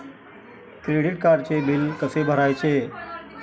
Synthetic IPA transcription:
kɾeɽiʈ̚kaɾt͡ɕebilkəsebʱəɾajt͡se

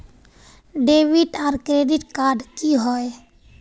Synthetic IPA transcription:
ɖebiʈaɾkɾeɖiʈkaɾɖkiɦoj

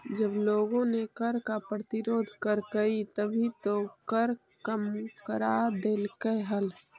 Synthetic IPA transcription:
d͡ʒəbloːɡõnekəɾkapɾət̪ɪɾoːd̪ʱkəɾkəit̪əbʱit̪okəɾ | kəmkəɾad̪eːlkəɦəl

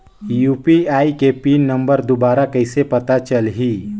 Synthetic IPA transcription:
juːpiaːikepiːnːɐ̃mbəɾd̪obaːɾakɐɪsepɐt̪at͡ʃəlɦiː

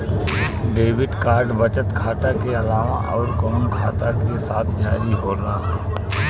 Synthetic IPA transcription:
ɖeːbɪɖkaːɾɖbət͡ʃət̪kʰaːt̪akeəlaːʋaʔɔːɾkoːmikʰaːt̪akesaːt̪ʰd͡ʒaːɾiɦoɾaɦɛ

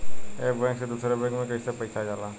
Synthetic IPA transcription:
eːbɛ̃ːksed̪uːsɾeːbẽːkmẽːkəisepəisʰad͡ʒaːlaː

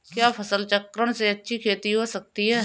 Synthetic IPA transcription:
kjaːpʰɐsəlt͡ʃəkːɾəɽ̃seɐtːʃʰikʰeːt̪iɦosɐk̚t̪iɦɛː

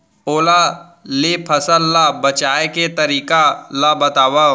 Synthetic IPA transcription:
oːla | lepʰɐsəlːabɐt͡ʃaːeket̪əɾiːkalabɐt̪aːwa

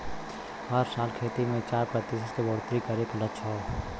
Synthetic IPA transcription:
ɦəɾsaːlkʰeːt̪imẽt͡ʃaːɾpɾət̪ɪsətebɔɽt̪ɾikəɾeklət͡ʃʰɔː

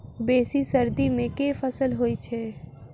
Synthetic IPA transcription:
beːsisɐɾd̪imẽkeːfɐsəlɦoːit͡ʃʰɛː

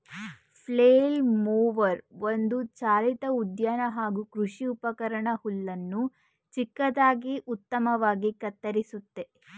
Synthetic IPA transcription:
pʰleːlmuːʋɐɾʋond̪ut͡ʃaːlit̪ɐud̪jaːnɐɦaːɡukɾuʂiupɐkɐɾɐɳɐhulːɐnːu | t͡ʃikːɐd̪aːɡiʔut̪ːɐmɐʋaːɡikɐt̪ːɐɾisut̪ːe

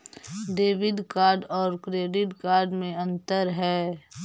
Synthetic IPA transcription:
ɖeːʋɪd̪kaːɾɖɔːɾkɾeːɖɪʈkaːɾɖmẽɐ̃nt̪əɾɦɛː

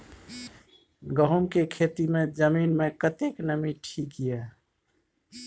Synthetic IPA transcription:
ɡəɦumkekʰet̪imed͡ʒəminmekət̪eknəmiʈʰikijɛ

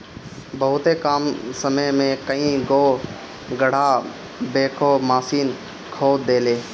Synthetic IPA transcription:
bəɦʊt̪ekaːmsəməmẽkəĩɡoː | ɡəɽ̤aː | beːkʰoːmaːsiːn | kʰoːd̪eːleː

